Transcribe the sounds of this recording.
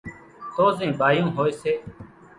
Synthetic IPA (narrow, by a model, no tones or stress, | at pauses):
t̪oːzĩːɓʱaːjũːɦoːeːseː